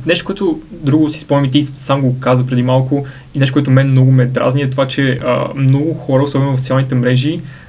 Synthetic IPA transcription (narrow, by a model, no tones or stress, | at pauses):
nɛʃt̪o̥koɔɛt̪ʊd̪ɾuɡʊsi̥spɔɛmit̪isamɡokazəpɾɛd̪imalˠkʊ | inɛʃt̪okɔɛt̪omɛmnɔɡʊmɛd̪ɾa̰zniɛt̪ovat͡ʃɛə̰mnɔɡʊxɔɾəosɔbɛnʊvɐft̪sʲjalˠnit̪ɛmɾɛʒi